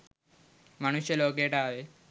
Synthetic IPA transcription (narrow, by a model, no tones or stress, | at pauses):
məɽ̃uʃjəlokeʈaːʋe